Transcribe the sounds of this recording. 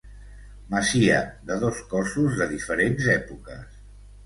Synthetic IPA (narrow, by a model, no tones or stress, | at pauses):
məsiəd̪əð̞oskɔsuzðəðifəɾenzɛpukəs